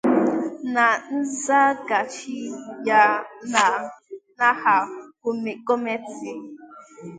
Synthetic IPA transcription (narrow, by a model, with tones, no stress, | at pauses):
na˨n̩˦za˦ɡa˨t͡ʃi˦ja˦na˨na˦ha˨ | ɡo˦me˦ti˦